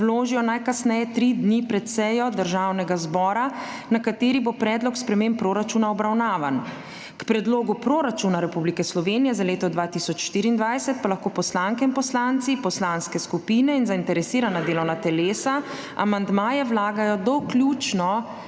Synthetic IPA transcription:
wloːʒijɔnajkasnɛjɛt̪ɾid̪nipɾɛt̪sɛjɔd̪əɾʒaːwnɛɡazbɔːɾanakat̪eːɾibopɾɛːd̪lɔkspɾɛmeːmpɾoːɾat͡ʃunaɔbɾawnaːʋan | kpɾɛd̪loːɡupɾoːɾat͡ʃunaɾɛpublikɛslɔʋeːnijɛzaleːt̪ɔd̪ʋaːt̪isɔt͡ʃʃt̪iːɾiːnd̪ʋajsɛt̪̚palaxkoːpɔslaŋkɛinpɔslant̪sipɔslaːnskɛskupiːnɛinzaint̪ɛɾɛsiːɾanad̪eːlɔwnat̪ɛleːsa | a̰mand̪maːjɛwlaːɡajɔd̪ɔkljut͡ʃnɔ

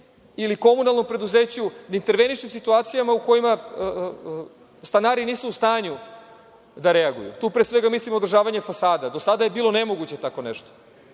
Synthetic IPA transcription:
iliko̞munalˠno̞mpɾe̞d̪uze̞ːt͡ɕud̪aint̪e̞ɾʋe̞niʃesit̪uaːt̪sijamauko̞jima | st̪anaːɾiniːsuːst̪aːɲu | d̪aɾeaɡṵjṵt̪uːpɾesʋe̞ɡamislimod̪ɾrʒaːʋaɲe̞fasaːd̪ad̪o̞sad̪aje̞biːlˠo̞ne̞mo̞ɡut͡ɕe̞t̪ako̞neʃt̪o̥

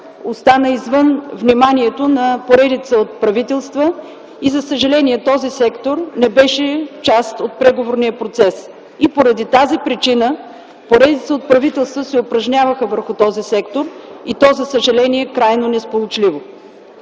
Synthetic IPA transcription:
ost̪anəizvɤnvnimaniɛt̪onɐpoɾɛd̪it̪səot̪̚pɾɐvit̪ɛlˠst̪və | izɐsəʒɐlɛniɛt̪ɔzisɛkt̪oɾnɛbɛʃɛt͡ʃast̪ot̪̚pɾɛɡovoɾnijəpɾot̪sɛs | ipoɾɐd̪it̪azipɾit͡ʃinə | poɾɛd̪it̪səot̪̚pɾɐvit̪ɛlˠst̪vəsɛopɾɐʒnʲavəxəvəɾxʊt̪ɔzisɛkt̪oɾit̪ɔzɐsəʒɐlɛniɛkɾajnonɛspolˠot͡ʃlivo

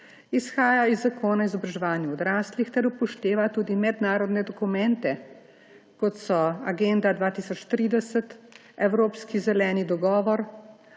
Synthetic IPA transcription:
isxaːjaizːakʰoːnaizɔbɾaʒɛʋaːnjaɔd̪ɾaːslixt̪ɛɾupɔʃt̪eːʋat̪uːd̪imɛd̪naːɾɔd̪nɛd̪ɔkumɛnt̪ɛ | kɔt̪sɔaɡɛnd̪ad̪ʋaːt̪iːsɔt͡ʃt̪ɾiːd̪ɛsət̪ | ɛwɾoːpskizɛlɛːnid̪ɔɡɔːʋɔɾ

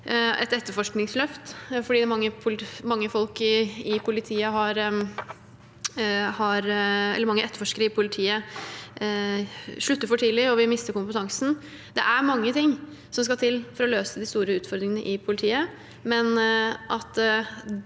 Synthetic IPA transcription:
ɛ̰t̪ɛt̪ːəɾfɔʂknɪŋslœft̪fɔɖiːd̪ɛmɑŋːəpʰʊlmɑŋːəfɔlkɪɪpʰʊlɪt̪ʰiːəɦɑɾ | hɑɾɛ̰lːəmɑŋːəʔɛt̪ːəɾfɔʂkəɾəɪpʰʊlɪt̪ʰiːə | ʂɭʉt̪ːəɾfɔʈʰiːd̪lɪɾɔʋɪmɪst̪əɾkʊmpət̪ʰɑŋsn̩ | d̪ɛ̰ʔæɾmɑŋːət̪ʰɪŋ | sɔms̬kɑt̪ʰɪlfɔɾɔløːsəd̪ɪst̪uːɾəʉːt̪fɔɾd̪ɾɪŋənəʔɪpʰʊlɪt̪ʰiːə | mɛnʔɑt̪

